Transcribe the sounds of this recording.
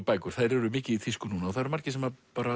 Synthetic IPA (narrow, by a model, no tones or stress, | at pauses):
paːjkʏ̥θaðɾɛɾʏmɪːcɪiθɪskʏnuːnaɔθaɾmar̥cɪs̬ɛmapaːɾa